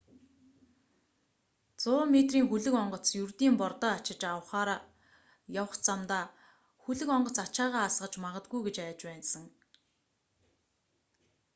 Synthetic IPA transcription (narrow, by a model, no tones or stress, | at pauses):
t͡sʊːmet̪riːŋxuɮɘ̆kɔɴɢɞ̆t͡sjurt̪iːmpɔrt̪ɔːat͡ɕɪ̆t͡ɕaw̆χaːɾa | jawə̆χt͡samt̪aː | xuɮɘ̆kɔɴɢɞ̆t͡sat͡ɕaːʁaːsɢə̆t͡ɕmaʁə̆t̪̚ɡujɡet͡ɕæːt͡ɕpæːnsə̆ŋ